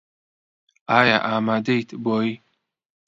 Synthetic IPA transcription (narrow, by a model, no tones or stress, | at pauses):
aːja̰ʔaːmaːd̪ejt̪ʰboːi